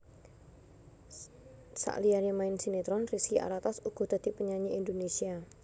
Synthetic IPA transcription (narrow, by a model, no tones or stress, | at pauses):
sa̰ʔliaɾimaɪnsinet̪ɾɔnriskiʔa̰ɾat̪asuɡ̥ɔ̤d̪̥a̤d̪̥i̤pəɲaɲiʔind̪onesia